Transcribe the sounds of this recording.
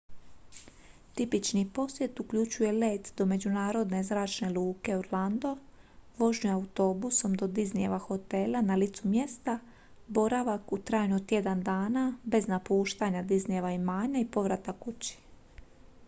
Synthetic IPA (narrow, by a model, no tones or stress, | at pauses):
t̪ipit͡ʃnipo̞sje̞t̪ukʎut͡ɕuje̞leːt̪d̪o̞me̞d͡ʑunaːɾo̞d̪ne̞zɾaːt͡ʃne̞lˠuːke̞oɾland̪o̞ | ʋo̞ʒɲuaut̪o̞buso̞md̪o̞d̪iznijeʋaxo̞t̪e̞lanalit̪sumje̞st̪a | bo̞ɾaʋakut̪ɾaːjnut̪je̞d̪and̪aːnabe̞znapuːʃt̪aɲad̪iznijeʋaimaːɲaipo̞ʋɾat̪akut͡ɕi̥